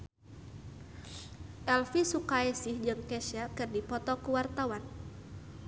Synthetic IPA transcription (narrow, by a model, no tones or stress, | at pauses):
ʔɛlfisukaɛsɪhd͡ʒɨŋkɛsakɨrdipɔt̪ɔkuwart̪awan